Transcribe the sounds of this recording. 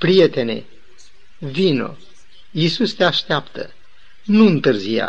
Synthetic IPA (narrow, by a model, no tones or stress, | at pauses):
pɾije̞t̪e̞ne̞̰ | vino̞̰ | isust̪eaʃt̪eapt̪ə̰ | nuɨnt̪ɨrzija̰